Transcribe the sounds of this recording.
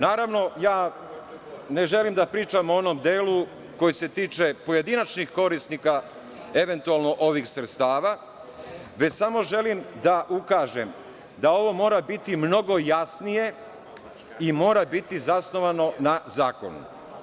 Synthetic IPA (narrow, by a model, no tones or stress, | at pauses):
naːɾaʋno̞jaː | ne̞ʒe̞limd̪apɾiːt͡ʃamoo̞nomd̪eːlu | ko̞jese̞t̪iːt͡ʃe̞poje̞d̪inat͡ʃnixko̞ɾisnika | e̞ʋe̞nt̪ualˠno̞ʔo̞ʋixsɾe̞t̪st̪aːʋa | ʋe̞samo̞ʒe̞limd̪aʔukaːʒem | d̪ao̞ʋo̞mo̞ːɾabit̪imno̞ɡo̞jasnije̞ | imo̞ːɾabit̪izasno̞ʋano̞nazaːko̞̰nṵ